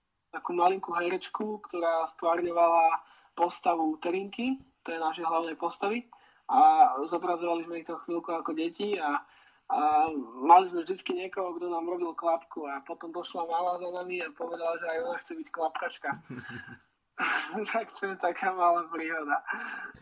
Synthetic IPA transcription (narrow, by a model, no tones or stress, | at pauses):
t̪akuːmaliŋkuɦɛɾɛt͡ʃkukt̪ɔɾaːst̪ʋaɾɲɔʋala | pɔst̪aʋut̪ɛɾiŋkit̪ɔjɛnaʃɛjɦlaʊnɛjpɔst̪aʋi | azɔbɾazɔʋalizmɛixt̪ɔxʋilkuakɔɟɛcia | amalizmɛvʒd̪it͡skiɲɪɛkɔɦɔɡd̪ɔnaːmɾɔbilˠklapkuapɔt̪ɔmd̪ɔʃlamalazanamiapɔʋɛd̪alaʒɛajɔnaxt͡sɛbicklapkat͡ʃka | t̪ʰakt̪ʰɔjɛt̪akʰaːmalaːpɾiːɦɔd̪a